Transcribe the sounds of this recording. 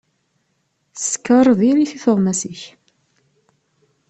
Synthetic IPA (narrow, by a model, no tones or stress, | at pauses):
sə̥kːəɾˤðiliθiθəʁmæsəç